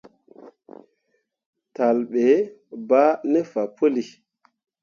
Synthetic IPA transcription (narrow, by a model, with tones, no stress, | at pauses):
ta˨lɓe˨˦ba˦ne˦fa˨po˦li˨